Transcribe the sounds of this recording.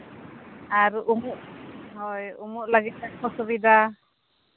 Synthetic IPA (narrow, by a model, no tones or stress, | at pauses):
aɾuʔumuʔɦɔjumuʔlaɡit̪̚ːɛkpɔsɔbid̪a